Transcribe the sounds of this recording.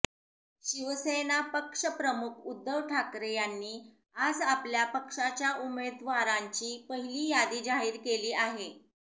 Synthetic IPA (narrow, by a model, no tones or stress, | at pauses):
ɕiʋəsenapəkʂəpɾəmukʰud̪ːəʋʈʰakɾejanːiː | ad͡zapljapəkʂat͡ɕjaʔumed̪ʋaɾaɲt͡ɕiːpəɦiliːjad̪iːd͡zaɦiːɾkeliːaɦe